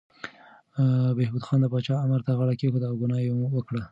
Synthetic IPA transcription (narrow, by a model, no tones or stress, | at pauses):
behbud̪xɑnd̪əpɑt͡ʃɑamaɾt̪aɣaɽakexud̪awɡʊnɑjemuwəkɽa